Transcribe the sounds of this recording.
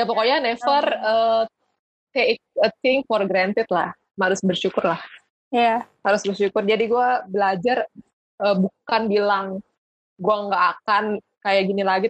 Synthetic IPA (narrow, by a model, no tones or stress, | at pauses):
japokojanɛfərəː | t̪ek̚ət̪ɪŋfɔrɡɾant̪ɪt̪̚la̰h | maɾʊsbərʃukʊrlah | jahaɾʊsbərʃukʊrd͡ʒadiɡuabəlad͡ʒar | ʔəːbukanbilaŋ | ɡuaŋɡaʔːkan | kajaɡinilaɡi